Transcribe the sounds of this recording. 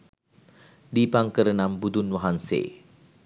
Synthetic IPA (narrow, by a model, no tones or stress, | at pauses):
dipaŋkəɾənambud̪unwaɦansḛ